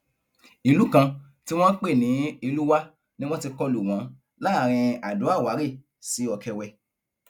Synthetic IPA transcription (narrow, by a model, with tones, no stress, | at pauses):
i˧lu˦kã˧ | ti˦w̃ɔ̃˦k͡pe˦˨nĩ˨˦i˧lu˦wa˦ | nĩ˦w̃ɔ̃˦ti˧kɔ˧lu˨w̃ã˨˦ | la˦˨ɾ̃ĩ˧a˨do˨˦a˦˨wa˨˦ɾe˦˨ | si˨˦ɔ˨kɛ˧wɛ˧